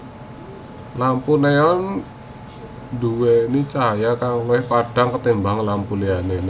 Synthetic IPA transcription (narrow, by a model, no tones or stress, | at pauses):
lampuneɔn | duwenit͡ʃajakaŋloɪhpaɖ̥aŋkət̪embaŋlampulianen